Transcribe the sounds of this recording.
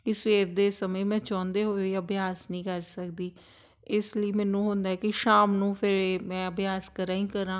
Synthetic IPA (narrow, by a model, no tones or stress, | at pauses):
kɪsʋeːɾd̪eːsəmẽːmɛ̃ːt͡ʃãːnd̪eːɦoːoeəbjaːsnĩːkəɾsəkd̪iː | ɪsləiːmɛːnũːɦʊ̃nd̪aːɛːkɪʃaːmnũːpʰɪɾmɛ̃ːəbjaːskəɾãːĩːkəɾãː